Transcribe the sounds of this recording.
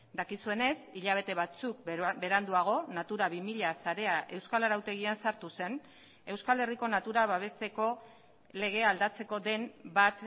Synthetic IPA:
d̪akisue̞ne̞siʎaβ̞e̞t̪e̞β̞at͡suk̚be̞ɾand̪uaɣ̞o̞nat̪uɾaβimiʎasaɾe̞aʔe̞wskaleɾawt̪e̞ɣiansaɾt̪use̞n | e̞wskale̞riko̞nat̪uɾaβaβ̞e̞st̪e̞ko̞ | le̞ɣ̞e̞ald̪at͡se̞ko̞d̪e̞nbat̪

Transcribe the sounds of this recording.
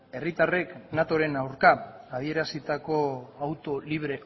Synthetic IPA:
e̞rit̪areknat̪o̞ɾe̞nawɾkaːð̞ie̞ɾasit̪ako̞awt̪o̞liβ̞ɾe̞

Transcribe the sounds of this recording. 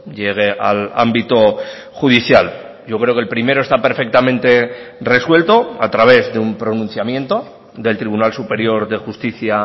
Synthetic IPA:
ɟ͡ʝeɣ̞e̞ʔa̰la̰mbit̪o̞ | xuðiθjal | ɟ͡ʝo̞kɾeo̞ke̞lpɾime̞ɾo̞est̪ape̞ɾfe̞k̚t̪amẽ̞nt̪e̞re̞swe̞lt̪o̞a̰t̪ɾaβ̞e̞zðe̞umpɾo̞nũn̟θjamjẽ̞nt̪o̞ | ðe̞lt̪ɾiβunalsupe̞ɾjo̞ɾðe̞xust̪iθja

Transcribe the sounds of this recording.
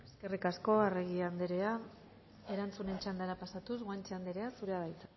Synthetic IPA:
e̞ske̞rikasko̞areɣiand̪eɾea | e̞ɾant͡sune̞nt͡ʃand̪aɾapasat̪uzɣoant͡ʃeand̪eɾe̞asuɾe̞aβajt͡sa

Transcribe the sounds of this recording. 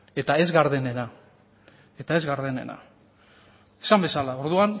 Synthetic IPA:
e̞t̪ae̞zɣaɾðene̞na | e̞t̪ae̞zɣaɾðene̞̰na̰ | e̥sambe̞salao̞ɾðuan

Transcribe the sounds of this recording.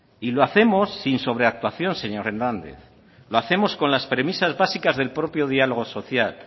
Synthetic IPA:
iloaθe̞mo̞sːinso̞β̞ɾe̞ak̚t̪waθjo̞nse̞ɲo̞ɾe̞nãnd̪e̞̰θ | loaθe̞mo̞sko̞nlaspɾe̞misazβasikazðe̞lpɾo̞pjo̞ð̞ialo̞ɣ̞o̞so̞θjal

